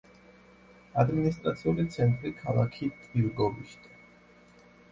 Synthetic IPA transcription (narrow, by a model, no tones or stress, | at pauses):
ad̪minist̪ʼɾat̪sʰiulit̪sʰɛnt̪ʼɾikʰalˠa̰kʰikʼiɾɡɔviʃt̪ʰʼa